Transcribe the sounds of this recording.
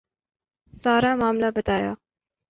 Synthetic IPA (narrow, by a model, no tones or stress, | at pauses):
saːɾaːmaːmlabət̪aːja̰ː